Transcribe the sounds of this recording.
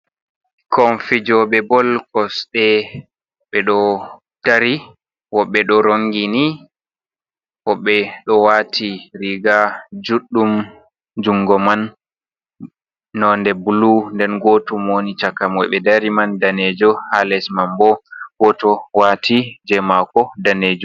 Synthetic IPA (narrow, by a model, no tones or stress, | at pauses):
kʰɔɱfid͡ʒɔɓɛbɔlkɔsɗɛ | ɓɛɗɔ | d̥aɾi | wɔɓːɛɗɔɾoŋɡini | hɔɓːɛɗɔwatʰiɾiɡad͡ʒuɗːum | d͡ʒuŋɡɔman | ɔndɛbulundɛnɡotumonit͡ʃakːamɔjɓɛdaɾimandaned͡ʒɔhalɛsmambɔwɔtɔwatid͡ʒɛmakɔdaned͡ʒu